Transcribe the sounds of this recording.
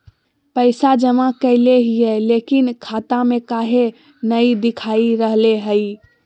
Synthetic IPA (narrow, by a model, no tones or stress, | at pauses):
pəɪsad͡ʒəmakəleɦijelekinkʰat̪amekaɦe | nəjd̪ikʰaiɾəɦleɦəj